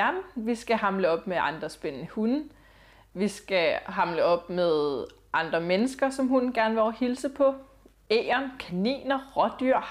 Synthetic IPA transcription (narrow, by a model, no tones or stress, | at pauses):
æmʋisɡ̥æhɑ̈mləɒ̽b̥meʔɑ̈nd̥ʁɐsb̥ennəhun | ʋisɡ̥æɦɑ̈mləɒ̽b̥meðˠ | ʔɑ̈nd̥ʁɐmenəsɡ̥ɐsɒ̽mɦunɡ̥æɐnʋe̝ɒhilsəpʰɒ̽ | ḛːɐnkʰænḭːnɐʁɒ̽d̥yɐ̰